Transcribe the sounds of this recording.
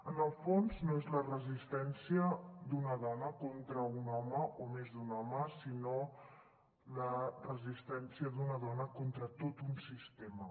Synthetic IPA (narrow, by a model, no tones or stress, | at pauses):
ənəlˠfonznoezlərəzist̪ɛnsiəd̪unəð̞ɔnəkont̪ɾəunɔməʔomezd̪unɔməsino | lərəzist̪ɛnsiəðunəðɔnəkont̪ɾət̪ot̪unsist̪emə